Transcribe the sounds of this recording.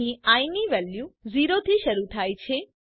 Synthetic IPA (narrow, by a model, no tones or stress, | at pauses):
ĩajniʋɛljuziɾot̪ʰiʃəɾut̪ʰajt͡ʃʰe